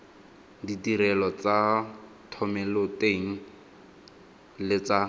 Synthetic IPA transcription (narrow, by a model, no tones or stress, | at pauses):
ditiɾɛlɔt͡sa | tʰɔmɛloteŋ̩ | lɪt͡sa